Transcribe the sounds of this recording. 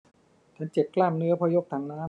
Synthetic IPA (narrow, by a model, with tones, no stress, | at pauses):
t͡ɕ̪ʰa˦˥˩nt͡ɕe˨˩p̚klaː˥˩mnɯ˦˥ɐpʰɔː˧jo˦˥˩k̚t̪ʰaː˨˩ŋnaː˦˥